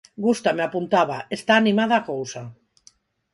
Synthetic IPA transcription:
ɡust̪ameapunt̪aβaest̪aːnimaðaːkowsa

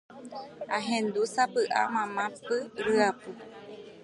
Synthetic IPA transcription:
ãɦẽnd̪usapɨʔa̰mãmãpɨɾɨapɨ

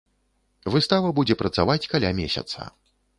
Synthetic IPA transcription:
vɨst̪avɐbud͡zʲɛpɾɐt̪savat͡sʲkalʲamʲesʲɐ̰t̪sɐ̰

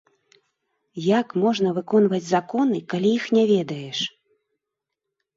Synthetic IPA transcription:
jakmɔʐnɐvɨkɔnvɐd͡zʲzakɔnɨkalʲijixnʲɛvʲɛd̪ɐjɛʂ

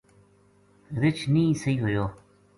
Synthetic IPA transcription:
ɾɪt͡ʃʰnĩːsəɦiːɦoːjoː

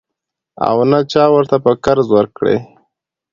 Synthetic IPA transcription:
a̰wnat͡ʃɑwəɾt̪apəkaɾzwəɾkɽḛ

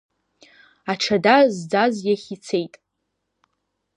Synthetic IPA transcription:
aʈ͡ʂʰadazd͡zazjaχʲit͡sʰe̞jtʼ

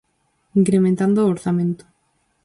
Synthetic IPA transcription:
iŋkɾemẽnt̪and̪oːɾθamẽnt̪o̥

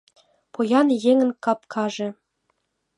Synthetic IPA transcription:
pojɑnjeŋə̆nkɑp̚kʰɑʒĕ

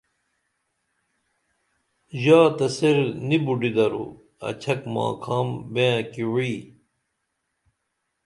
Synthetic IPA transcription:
ʑaːt̪ɐseɾnibuɖid̪ɐɾṵ | ɐ̰t͡ɕʰɐkma̰ːkʰaːmbẽːkiwi

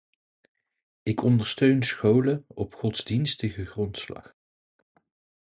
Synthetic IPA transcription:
ɪkɔndəɹstøɥnsχowləɔpχɔtz̥dinstəχəχrɔntslɑ̰χ

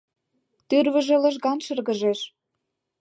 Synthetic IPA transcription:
t̪yrβə̆ʒĕlɤ̆ʒɣɑnʃɤ̆rɣə̆ʒeʃ

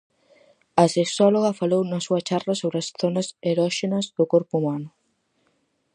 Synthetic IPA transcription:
ɐseksɔloɣɐfalownɐsuɐt͡ʃarɐsoβɾɪɐsθonɐseɾɔʃenɐzðʊkɔɾpuumanʊ

